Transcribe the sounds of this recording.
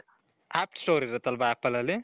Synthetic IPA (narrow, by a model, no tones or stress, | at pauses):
ap̚ʈstoɾizat̪albaapalale